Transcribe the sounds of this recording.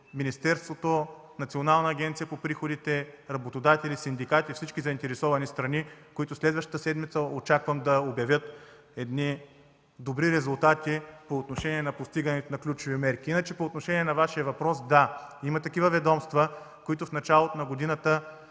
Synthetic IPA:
minist̪ɛɾst̪vot̪o | nɐt̪sionalˠnɐːɡʲɛnt̪sijɐpopɾixod̪it̪ɛɾɐbot̪od̪at̪ɛlisind̪ikat̪ifsit͡ʃkizɐint̪ɛɾɛsɔvɐnist̪ɾɐnikoit̪ʊslɛd̪vəʃt̪ə̥t̪əsɛd̪mit̪səot͡ʃakvəmd̪ɐobʲjɐvʲjət̪ | ɛd̪ni | d̪obɾiɾɛzʊlˠt̪at̪ipoːt̪noʃɛniɛnɐpost̪iɡɐnɛt̪onɐklʲut͡ʃʊvimɛɾkʲiinɐt͡ʃɛpoːt̪noʃɛnʲiɛnɐvaʃiɐvɐpɾɔsd̪aimɐt̪ɐkivəvɛd̪ɔmst̪və | koit̪ʊfnɐt͡ʃalˠot̪onɐɡod̪inɐt̪ə

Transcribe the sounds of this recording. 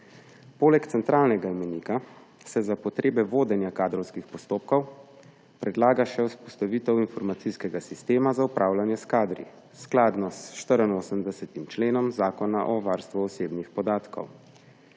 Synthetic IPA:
poːlɛkt̪sɛnt̪ɾaːlnɛɡawmɛnika | sɛzapɔt̪ɾeːbɛʋoːd̪ɛnjakaːd̪ɾɔwskixpɔst̪oːp̚kɔw | pɾʔɛd̪laːɡaʃɛuspɔst̪aʋiːt̪ɛwinfɔɾmat̪siskɛɡasist̪eːmazaupɾʔaːwlanjɛskaːd̪ɾḭ | sklaːd̪nɔsʃt̪əɾənoːsəmd̪ɛsɛt̪imt͡ʃleːnɔmzaːkɔnaʔɔʋaːɾst̪ʋuɔseːbnixpɔd̪aːt̪kɔ̰w

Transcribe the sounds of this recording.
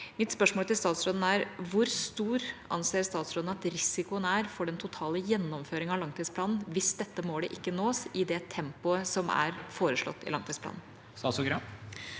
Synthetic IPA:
mɪt̪spœʂmoːlt̪ɪst̪ɑːt̪sɾoːd̪n̩æɾʋʊɾst̪uːɾʔɑ̰nseːɾst̪ɑːt̪sɾoːd̪n̩ɑt̪ɾɪsɪkʊənæɾfɔɖɛnt̪ʰʊt̪ʰɑːləjɛnːɔmføːɾɪŋɑlɑŋt̪ʰiːspʰlɑːnn̩ʋɪsd̪ɛt̪ːəmoːɖɛʔɪkːənoːɪd̪ɛt̪ʰɛmpʊəsɔmæ̰ɾfoːɾəʂɭɔ̰t̪ːɪ̰lɑŋt̪ʰiːspʰlɑ̰ːnn | st̪ɑsɔɡɾɑ

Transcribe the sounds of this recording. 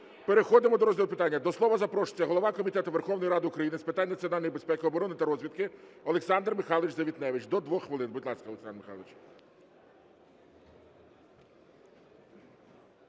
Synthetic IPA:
peɾexɔd̪ɪmɔd̪ɔɾɔzʲɦilˠʊpɪt̪ɑnʲːɐd̪ɔslˠɔʋɐzɐpɾɔʃt͡sʲːɐɦɔlˠɔʋɑkɔmʲit̪ɛt̪ʊʋerxɔwnɔjɾɑd̪ɪʊkɾɐjinɪspɪt̪anʲːɐt̪t͡sʲiɔnɑlʲnjibe̞spɛkɪɔbɔɾɔnɪt̪ɐɾɔzʲʋʲid̪kɪɔlˠeksɑnd̪rmɪxɑlˠʋɪt͡ʃzɐʋʲit̪nɛʋɪt͡ʃd̪ɔd̪ʋɔxxʋelˠɪnbʊd̪ʲlˠɑskɐleksɑnmɪxɑ̰lˠʋɪt͡ʃ

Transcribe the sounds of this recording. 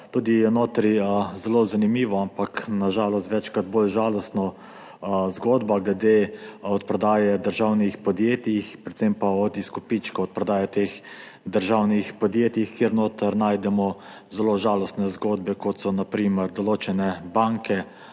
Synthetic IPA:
t̪uːd̪ijɛnoːt̪ɾizɛlozanimiːʋɔampaknaʒaːlɔst̪ʋɛt͡ʃkɾad̪bolʒaːlɔst̪nɔ | zɡoːd̪baɡlɛd̪eɔt̪pɾɔd̪aːjɛd̪əɾʒawnixpɔd̪jeːt̪ixpɾɛt̪sempaɔd̪iskɔpit͡ʃkɔɔt̪̚pɾɔd̪aːjɛt̪eːx | d̪əɾʒaːwnixpɔd̪jeːt̪jixkeɾnoːt̪əɾnaːjd̪ɛmɔ | zɛloʒaːlɔst̪nɛzɡoːd̪̚bɛkɔt̪sɔnapɾiːməɾd̪ɔloːt͡ʃɛnɛbaŋkɛ

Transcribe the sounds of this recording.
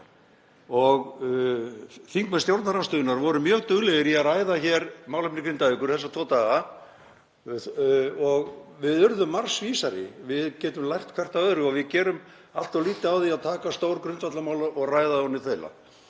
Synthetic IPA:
ɔɣ | θiŋkmɛnst̪jowɾt̪naɾamst̪ʏːðʏnaɾvɔɾʏmjœːɣt̪œɣlɛɣɪɾiaraːjðaçɛɾmaːwlʏhpnɪkʰɾɪnt̪aʏkʏɾ̥θɛsːat̪ʰɔt̪aːɣa | ɔɣvɪðʏɾðʏmːar̥sviːsaɾɪ̰vɪðcɛːt̪ʏmlajht̪kʰvɛr̥t̪avœðɾɪɔɣvɪðcɛːɾʏm | aft̪awliːt̪ɪawθiaðt̪ʰaːkast̪oːwɾkɾʏnt̪vat̪lamaːwlaɔɣraːjðaɔnɪθela̰

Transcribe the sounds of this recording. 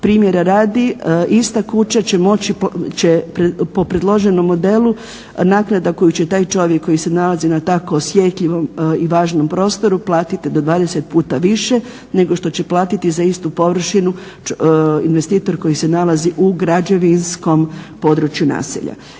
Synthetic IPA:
pɾiːmje̞ɾaɾaːd̪iist̪akut͡ɕat͡ɕe̞mo̞t͡ɕit͡ɕepɾepopɾed̪lˠo̞ʒe̞no̞mːo̞d̪e̞lˠu | naːknad̪ako̞jut͡ɕe̞t̪aːjt͡ʃo̞ʋjekːo̞jise̞nalazinat̪ako̞ːsjet̪ʎiʋo̞miʋaːʒno̞mpɾo̞ːst̪o̞ɾuplˠaːt̪it̪id̪o̞d̪ʋaːd̪eset̪̚puːt̪aʋiʃe | ne̞ɡo̞ʃt̪o̞t͡ɕe̞plˠaːt̪it̪izaist̪upo̞ʋr̩ʃinu | inʋest̪iːt̪o̞ɾko̞jise̞nalaziʔuɡɾad͡ʑeʋinsko̞mpo̞d̪ɾut͡ʃjuna̰ːsḛʎa̰

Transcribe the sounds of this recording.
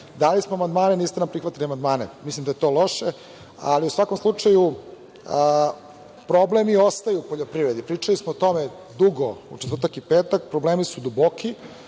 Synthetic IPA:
d̪alismoamand̪maːneniːst̪enampɾixʋat̪iliamand̪maːnḛmislimd̪ajet̪o̞lˠo̞ʂe | a̰liusʋako̞mslˠut͡ʂaju | ə | pɾoblemiost̪ajupoʎopɾiʋɾed̪ipɾiːt͡ʂalismot̪o̞me | d̪uɡoṵtet̪rɾt̪akipeːt̪ak̚pɾobleːmisud̪uboki

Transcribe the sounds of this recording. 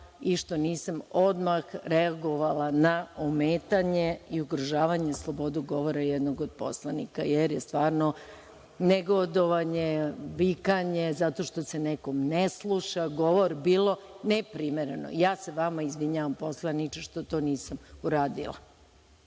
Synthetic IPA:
iʃt̪oniːsamod̪maxɾeaɡoʋalanaomeːt̪aɲeiuɡɾoʒaːʋaɲe̞slˠo̞bo̞d̪uɡo̞ʋoɾajɛd̪noɡod̪̚po̞̰slˠanḭka̰jeɾjest̪ʋaːɾno | neɡod̪oʋaɲeʋikaɲezat̪o̞ʃt̪o̞se̞nekomneslˠuʃaɡo̞ʋo̞ɾbiːlˠo̞nepɾimeɾeno̰jaːseʋamaizʋiɲaʋampo̞slˠanit͡ʃeʃt̪ot̪o̞ːniːsamuɾaːd̪ilˠa̰

